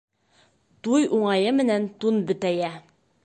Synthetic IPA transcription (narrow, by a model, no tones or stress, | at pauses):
t̪ujʔuɴɑjɤmɘ̆nænt̪unbɵ̆t̪æjæ